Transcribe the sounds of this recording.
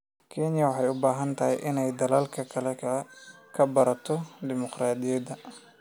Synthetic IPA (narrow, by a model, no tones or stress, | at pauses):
kʰɛnɪjɐwɑħɑjʊbaːɦɐnt̪ʰɐhɛjʔɪnɛjd̪ɐlaːlkʰɐkʰɐlɛ | kʰɐbɐɾɐt̪ʰɔd̪ɪmʊqraːd̪ɪjɐd̪ɐ